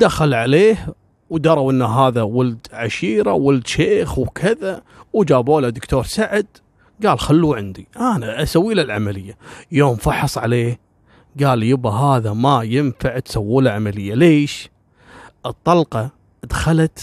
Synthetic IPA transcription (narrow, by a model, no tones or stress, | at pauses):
d̪axalʕaleːh | wd̪ɑɾˤɑwʔɪnːaɦaːðawald̪ʕaʃiːɾawald̪ʃeːxwkʰɪða | wd͡ʒaːboːlad̪ɪkt̪ʰoːɾˤsaʕɪd̪ | ɡaːlxalːuːʕɪnd̪iʔanaʔasawːiːlɪlʕa̰malɪjːajoːmfɑħɑsˤʕa̰leːh | ɡaːljɪbaɦaːðamajɪnfaʕt̪sawːuːlaʕamalɪjːaleːʃ | ʔɨt̪ˤːɑlqɑ | d̪xalat̪